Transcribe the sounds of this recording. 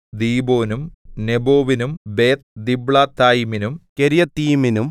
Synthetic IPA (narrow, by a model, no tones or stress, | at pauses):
d̪iːbo̞ːnumneboːʋinumbeːt̪d̪ibɭaːt̪ːaːjiminumkeɾijɐt̪iːminum